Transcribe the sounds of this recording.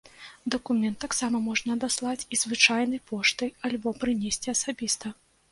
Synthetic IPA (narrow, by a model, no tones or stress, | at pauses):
d̪ɐkumʲɛnt̪ːɐksamɐmɔʐnɐːd̪aslˠat͡sʲizvɨt͡ʂajnɐjpɔʂt̪ɨjalʲbɔpɾɨnʲesʲt͡sʲiɐsabʲist̪ɐ